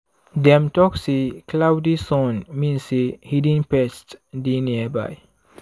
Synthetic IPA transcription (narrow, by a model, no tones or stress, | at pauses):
dɛ̃mtɔksikʰlawdisɔ̃nmĩnsihidĩnpɛstdiniəba̰j